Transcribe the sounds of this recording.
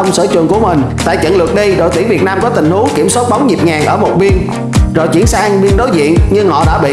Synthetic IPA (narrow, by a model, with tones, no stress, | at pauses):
ə˧wŋ͡msə̰ː˧˩t͡ɕwḭ˨˩nku˧˩əmï˨˩ŋ̟ | t̪a̰ː˧˨jt͡ɕə̰˧˨nlɨ˨˩ək̚ɗi˧ɗo̰˧˨jt̪i˧˩ŋvi˨˩ət̚naː˧mkɔ˨˦t̪ï˨˩ŋ̟hu˨˦ki˧˩əmsɔː˦˥t̚ɓa˨˦wŋ͡mzi˨˩p̚ŋaː˨˩ŋʔəː˧˩mo˨˩t̚ɓi˧ən | zo˨˩jt͡ɕi˧˩ənsaː˧ŋɓi˧ənɗo˨˦jzḭ˧˨ənɲɨ˧ŋhɔ̰˧˨ɗa̰ː˧˥ɓḭ˧˨